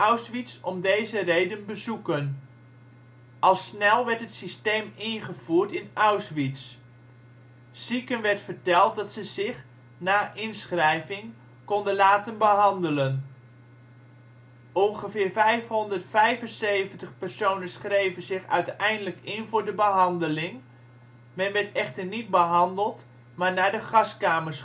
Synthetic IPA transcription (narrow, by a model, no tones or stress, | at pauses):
awsʋitsɔmdejzərejdənbəzukən | ʔɑlˠsnɛlˠʋɛɹtɦətsistejmɪnχəv̥uːɹtɪnawsʋits | sikənʋɛɹtfəɹtɛlˠt̚dɑtsəzɪχ | naːʔɪnsχrɛjvɪŋ | kɔndənlaːtənbəɦɑndələn | ɔŋχəvɪːɹvɛjfɦɔndərtfɛjvənsejvəntəχpɛɹsownənsχrejvənzɪχœɥtɛjndələkɪnvʊːɹdəbəɦɑndəlɪŋ | mɛnʋɛɹtɛχtəɹnit̚bəɦɑndəlˠt | maːɹnaːɹdəχɑskaːməs